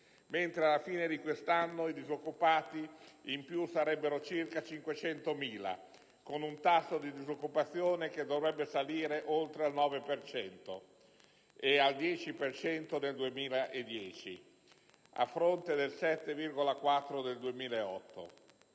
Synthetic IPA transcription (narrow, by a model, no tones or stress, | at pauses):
ment̪ɾealafiːned̪ikwest̪anːoid̪izokːupaːt̪iimpjusaɾɛbːeɾot͡ʃirkat͡ʃiŋkwet͡ʃɛnt̪omiːla̰ | konunt̪asːod̪id̪izokːupat̪sːjoːnek̟ed̪ːovɾɛbːesaliːɾeʔolt̪ɾealnɔːvepert͡ʃɛnt̪o̰ | eald̪jɛːt͡ʃipert͡ʃɛnt̪od̪eld̪uemiːlaʔed̪ːjɛːt͡ʃi | a̰fːɾont̪ed̪elsɛt̪ːevirɡolakwat̪ːɾod̪eld̪uemiːlaeɔt̪ːo̰